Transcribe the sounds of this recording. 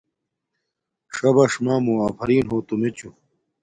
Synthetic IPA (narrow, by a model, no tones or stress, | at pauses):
ʂɐbɐʂmaːmuaːpʰɐɾiːnɦoːt̪umet͡ɕu